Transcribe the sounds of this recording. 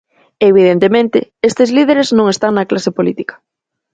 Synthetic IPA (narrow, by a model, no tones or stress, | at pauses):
eβ̞iðent̪emẽnt̪ɪest̪ɪzlið̞eɾeznõŋest̪aŋnɐklasepolit̪ikɐ̥